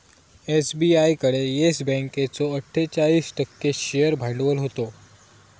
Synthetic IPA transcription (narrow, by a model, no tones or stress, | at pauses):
esbiajkəɽejesbɛ̃ŋket͡soəʈʰːet͡ɕaɭiːsʈəkːeɕejəɾbʱãɳɖʋəlɦot̪o